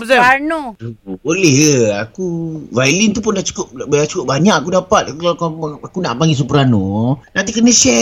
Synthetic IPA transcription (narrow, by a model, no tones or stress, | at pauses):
anodubolɛhəakuvailint̪up̬ʊndat͡ʃu̥kʊp̚at͡ʃukʊp̚baɲaʔkakudapat̪̚akkalkakunaʔpaŋɡis̬upəɾanonãnt̪̬ikənəsɛ